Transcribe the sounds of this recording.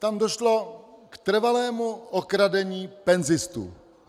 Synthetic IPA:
t̪amdoʃlo̞kt̪r̩valɛːmuokɾadɛɲiːpɛnzɪst̪ṵ

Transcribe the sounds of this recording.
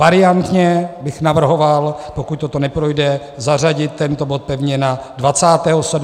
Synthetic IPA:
vaɾɪant̪ɲɛbɪxnavr̩ɦo̞valpokuc̚t̪o̞t̪o̞nɛpɾo̞jdɛ | zar̝aɟɪt̪ːɛnt̪o̞bo̞t̪̚pɛvɲɛnadvat͡saːt̪ɛːɦosɛd

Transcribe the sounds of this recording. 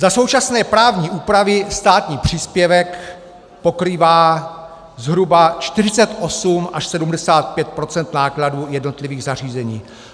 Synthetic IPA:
zaso̞wt͡ʃasnɛːpɾaːvɲiːʔuːpɾavɪst̪aːt̪ɲiːpr̝̥iːspjɛvɛk | po̞kɾiːvaː | zɦɾubat͡ʃt̪ɪr̝ɪt͡sɛt̪ʔo̞sumʔaʃsɛdumdɛsaːt̪̚pjɛt̪̚pɾo̞t͡sɛnt̪naːkladuːjɛdno̞t̪lɪviːɣzar̝iːzɛɲiː

